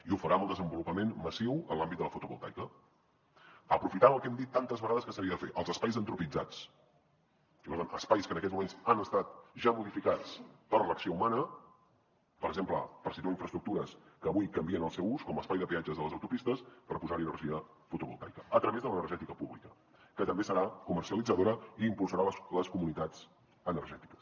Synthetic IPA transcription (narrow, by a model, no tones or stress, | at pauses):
iufəɾaməlˠd̪əzəmbulupəmenməsiwənlambit̪d̪ələfut̪uɣṵlˠt̪a̰jkə | əpɾufit̪aəlˠkɛmd̪it̪ːant̪əzβəɣaðəskəsəɾiəðəfeʔəlˠzəspajzənt̪ɾupid͡za̰t͡s | ipəɾt̪anʔəspajskənəkɛtd͡zmumenzanəst̪at̪ʒamuðifikat͡spəɾləksioumanə | pəɾəɡʒemplə̰pəɾsit̪uaiɱfɾəst̪ɾuk̚t̪uɾəskəβujkəmbiənəlˠsɛwuskɔməːspajðəpiad͡ʒəzðələzəwt̪upist̪əspəɾpuzaɾiənərʒiə | fut̪uɣṵlˠt̪a̰jkəət̪ɾəβezðələnəɾʒɛt̪ikəpuβlikə | kət̪əmbesəɾakumərsiəlid͡zəðoɾəiːmpulˠsəɾalləskumunit̪ad͡z | ənərʒɛt̪i̥kə̥s